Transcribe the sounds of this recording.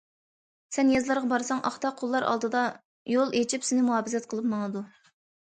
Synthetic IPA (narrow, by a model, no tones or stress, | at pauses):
sɛnjɑzlˠɑɾʁɑbɑɾsɑŋʔɑ̰χt̪ɑqʰolˠːɑɾʔɑ̰lˠd̪ɨd̪ɑ | jolˠet͡ʃʰipsɪnɪmuɦɑːbɪzɛt̪̚qʰəlˠɨpmɑŋɨd̪u